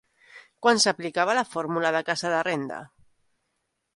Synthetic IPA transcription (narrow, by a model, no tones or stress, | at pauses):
kwansaplikaβ̞alafoɾmulaðakasaðarend̪a̰